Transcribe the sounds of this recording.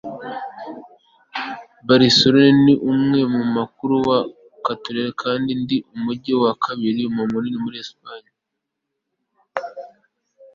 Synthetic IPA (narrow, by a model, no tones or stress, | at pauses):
baɾisoɾoneniʔumŋe̞mumakuɾuwa | katoɾeɾekʰaːndindiʔumuɟewakʰaβiɾimumuninimuɾiespaɲa